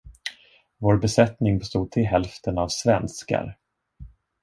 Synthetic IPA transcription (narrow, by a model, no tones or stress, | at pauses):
voːɾbɛsɛt̪nɪŋbɛst̪uːd̪̚t̪ʰɪlɦɛlft̪ənavsvɛnska̰ɾ